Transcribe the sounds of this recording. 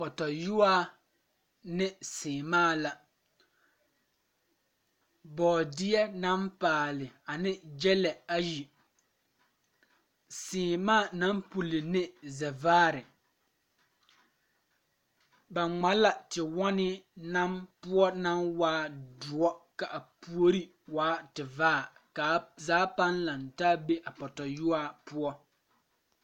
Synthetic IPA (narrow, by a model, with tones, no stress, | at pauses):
kɔ˨tɔ˨ju˦waː˦ | nɪ˦sɪː˨maː˦˨la˨ | bɔː˨dɪ˦ɛ˦na˦mpaː˨lɪ˨a˨nɪ˦d͡ʒɛ˦lɛ˨a˦ji˨ | sɪː˨maː˦˨na˦mpu˨lɪ˨nɪ˦zɛ˨vaː˦ɾɪ˨ | ba˨ŋ͡ma˨˦la˨tɪ˨wɔ˦nɪ˦na˦mpʊ˦ɔ˦na˦mwaː˦dʊ˨ɔ˦ka˨ʔa˨pu˦o˦ɾi˦ | waː˦tɪ˨vaː˦˨ | ka˨˦zaː˦pa˦nla˨ntaː˦be˦ʔa˨pɔ˨tɔ˨jʊ˦aː˦pʊ˦ɔ˦